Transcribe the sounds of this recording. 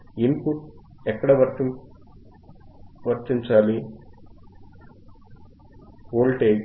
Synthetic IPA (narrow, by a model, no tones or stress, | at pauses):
impuʈɛkːɐɽɐʋɐɾt͡ʃi | ʋɐɾt͡ʃiɲt͡ʃaːli | oːlʈeː